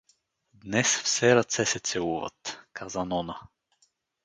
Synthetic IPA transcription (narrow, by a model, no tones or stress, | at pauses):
d̪nɛsfsɛɾɐt̪sɛsɛt̪sɛlˠuvə̰t̪kazənɔnə